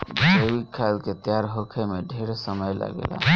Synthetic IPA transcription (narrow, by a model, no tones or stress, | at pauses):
d͡ʒʱəwikʰːalket̪jaɾɦokʰemeɖʱeɾesəməjla̰ɡḛla̰